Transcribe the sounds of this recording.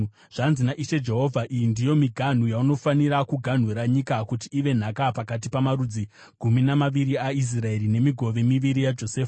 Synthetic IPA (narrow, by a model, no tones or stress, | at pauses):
ʐ̥anzinaʔiʃe̞d͡ʒe̞ɦo̞vʱaʔijindijo̞miɡʱan̤ujauno̞faniɾakuɡʱan̤weɾaɲikakutiːʋe̞n̤akapakat̬ipamaɾud͡zi | ɡʱuminamaʋiɾiais̬rae̞rine̞miɡʱo̞ʋe̞miʋiɾijad͡ʒo̞seːfḁ